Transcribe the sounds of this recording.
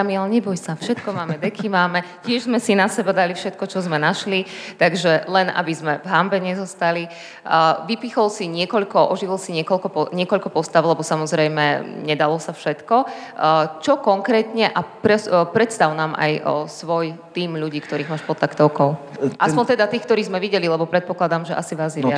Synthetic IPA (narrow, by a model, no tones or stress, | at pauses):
amilɲɛbɔjsafʃɛt̪̚kɔmaːmɛd̪ɛkʰimaːmɛ | cɪɛʒzmɛsinasɛbad̪alifʃɛt̪kɔt͡ʃɔzmɛnaʃlit̪aɡʒɛlɛnʔa̰bizmɛvɦambɛɲɛzɔst̪ali | ʋipixɔlsiɲɪɛkɔʎkɔʔɔʒiʋilˠsiɲɪɛkɔʎkɔpɔɲɪɛkɔʎkɔpɔst̪aʊlɛbɔsamɔzɾɛjmɛɲɛd̪alɔsafʃɛt̪kɔ | t͡ʃɔkɔŋkɾɛːt̪ɲɛʔapɾɛpɾɛt̪st̪aʊnaːmʔa̰jsʋɔjt̪iːmʎuɟiːkt̪ɔɾiːɣmaːʃpɔt̪ːakt̪ɔʊkɔʊ | ʔassppɔnt̪ɛd̪at̪iːxk̚t̪ɔɾiːzmɛʋiɟɛlilɛbɔpɾɛt̪̚pɔklad̪aːmʒɛʔasiʋaːzɛa